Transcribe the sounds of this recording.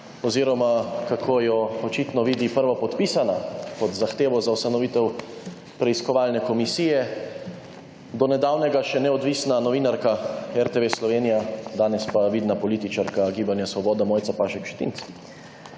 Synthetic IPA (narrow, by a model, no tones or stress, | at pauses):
ɔziːɾɔmakakʰojɔɔt͡ʃiːt̪nɔʋiːd̪ipəɾʋapɔt̪piːsanakɔd̪zaxt̪eːʋɔzaust̪anɔʋit̪ɛw | pɾɛiskɔʋaːlnɛkɔmisiːjɛ | d̪ɔnɛd̪aːwnɛɡaʃɛnɛɔd̪ʋiːsnanɔʋinaɾkaɛɾt̪eʋeslɔʋeːnijad̪aːnɛspaʋiːd̪napɔliːt̪it͡ʃaɾkaɡiːbanjasʋɔbɔːd̪ɛmɔːjt̪sapaːʃɛkʃt̪ḭnt̪s